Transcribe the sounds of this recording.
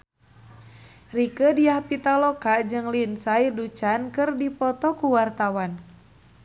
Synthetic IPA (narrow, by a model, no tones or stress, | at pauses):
rikədiahpit̪alɔkad͡ʒɨŋlinsajdut͡ʃankɨrdipɔt̪ɔkuwart̪awan